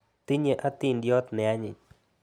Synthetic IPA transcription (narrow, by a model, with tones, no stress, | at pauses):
t̪i˦ɲə˨ʔa˦t̪ɪ˦˨ndjɔ˦t̪nɛ˨a˦ɲɪ̰˨